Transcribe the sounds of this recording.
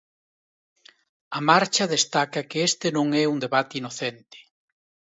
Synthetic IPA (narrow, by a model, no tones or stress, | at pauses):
ɐmaɾt͡ʃɐðest̪akɐkɪest̪ɪnõŋɛuŋd̪eβat̪ɪinoθent̪ɪ̥